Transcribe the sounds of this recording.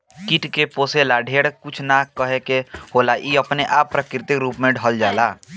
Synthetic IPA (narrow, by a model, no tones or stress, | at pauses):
kɪʈkepoːselaɖʱeːɽkʊt͡ʃʰnakəɦekehoːlaʔiːəpneʔaːpːɾəkɾɪt̪ɪkɾuːpmẽɖʱəld͡ʒaːlaː